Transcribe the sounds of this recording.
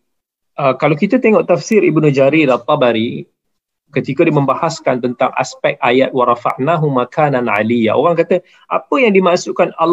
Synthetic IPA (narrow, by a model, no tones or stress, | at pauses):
ʔəkalakit̪at̪eŋɔʔt̪afsiɾibnud͡ʒaɾiɾat̪ˤːɑbaɾi | kət̪ikadimə̃mbahaskant̪ənt̪aŋʔa̰spɛk̚t̪̚ajat̪̚waɾˤɑfa̰ʔnaɦumakʰananʕa̰lija̰ʔo̰ɾaŋkat̪ə | ʔapəjaŋdimaʔsuʔkanal